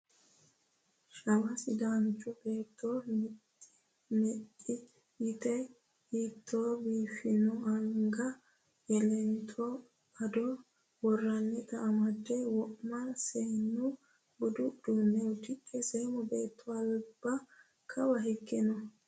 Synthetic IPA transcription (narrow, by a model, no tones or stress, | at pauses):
ʃɐmɐsɪd̪aːnt͡ʃʼɔbe̞ːt̪ʰːomɪ | ɪ | mɛʔɪ | jɪt̪ɛ | hiːt̪ʰːoːbiːfɪnɔɐŋɡɐ | jɛlɛnt̪ʰo | ɐd̪ɔ | wɔrːɐnːɛt̪ɐːmɐd̪ːɛwɔʔmɐseːnːu | bʊd̪ʊdunːɛʊt̪ɪkʼːɛsɛmɔbeːt̪ʰːɔɐlb̥ɐ | kʰɐbɐɦɪkːɛnɔ